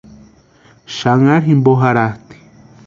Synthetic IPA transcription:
ʃaŋaɾɦimboɦaɾaht̪i̥

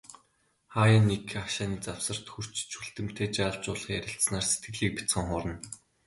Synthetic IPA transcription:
χaːjaːnːekʰaʃaːniːt͡saw̥sə̆r̥t̪xur̥t͡ɕt͡ɕʰuɬt̪ɘ̆m̥t̪ʰeːt͡ɕaːɮt͡ɕʊːɮ̆χjæɾʲɪ̆ɬt̪snaːrse̥t̪̚ɡɘ̆ɮiːk̚pi̥t͡sχə̆ŋχʊːɾə̆n

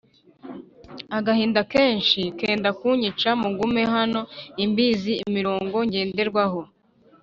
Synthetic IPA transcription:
aɡahiːndake̞ːnʃikeːndakuːɲit͡ʃamuɡume̞ɦano̞imbiːziːmiɾoːŋɡo̞ɲɟe̞ːnde̞ɾɡwaho

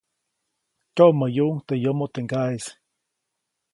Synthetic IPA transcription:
koʔməjuʔŋt̪ejomot̪eŋɡais

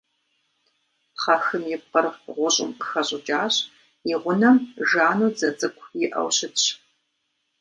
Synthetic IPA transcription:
χɐxɨmjɪpqʼɐrʁʷʊɕʼɪ̰mqəxɐɕʼɪt͡ʃʼaːɕ | ɪʁʷʊnɐmʒaːnuːd͡zɐt͡sʼɨkʷʰjɪʔɐ̰wɕɪtɕ

